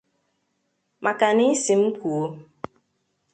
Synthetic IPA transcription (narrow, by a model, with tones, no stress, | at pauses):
mʔa˨ka˨ni˦si˨m̩˦ku˨o˦